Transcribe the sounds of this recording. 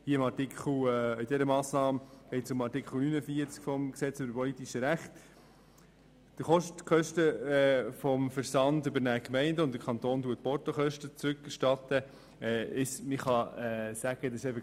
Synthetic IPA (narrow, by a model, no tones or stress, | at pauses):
hiəɪmɑɾtikχl̩ɪdɛɾəmɑːsnɑːmɡ̥ɛɪtsʊmɑɾtikχl̩ˠnynəfiəɾt͡skfɔmksɛt͡sʏbəɾpɔlit̪iʃəɾæχt̪ | d̥əχɔʃtkχœʃtəfɔmfəɾsɑndʏbəɾnæːkmɛɪndəʊntd̥əɾkʰɑnt̪oːntuət̚pɔɾtoχœʃtət͡sɾʉkːæɾʃtɑt̪ə | ɛɪsmɪχɑɛsæɡ̥əd̪ɑsʃɛɪfə